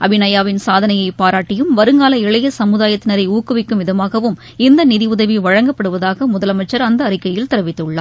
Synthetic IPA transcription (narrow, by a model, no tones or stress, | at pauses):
ʔɐbɪnɐjaːʋɪnsaːðɐnɐjɐɪpaːɾaːʈːɪjɯmʋɐɾɯŋɡaːlɐɪɭɐjɐsɐmɯðaːjɐt̪ːɪnɐɾɐɪuːkːɯʋɪkːɯmʋɪðɐmaːɣɐʋɯm | ɪnd̪ɐnɪðiʊðɐʋiʋɐɻɐŋɡɐpːɐɽɯʋɐðaːɣɐmʊðɐlɐmɐt͡ʃːɐɾɐnd̪ɐːrɪkːɐjɪlt̪ɪɾɐʋɪt̪ːɯɭːa̰ː